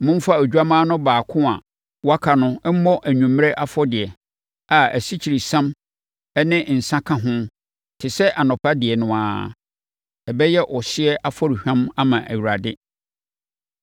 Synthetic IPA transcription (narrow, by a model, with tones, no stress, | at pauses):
mʊ̃˦m̩˦fa˦o˨d͡ʑᶣa˦mãː˦nʊ̃˦baː˨kʰʊ̃˦a̰˨ | wa˦kʰa˨nʊ̃˦ɛ˦m̩˦mɔ˦ʔæ˨ɲũ˨mː˦ɾe˦ʔa˦fɔ˦dɪ˨ɛ˨ | a˨æ̰˨si˦t͡ɕʰi˨ɾi˨sã˦m | ɛ˦nɪ̃˦n̩˨sã˦kʰã˦ɦʊ̃˦ | tʰɪ˨sɛ˦ʔa˨nɔ̃˨pʰa˦dɪ˨ɛ˨nʊ̃˨aː˨ | ɛ˨bɛ˦jɛ˦ʔɔ˨sɪ˦ɛ˦ʔa˦fɔ˦ɾi˨hᶣã˦ma˦mã˨ʔæ̰˨ɥɾa˨dɪ˦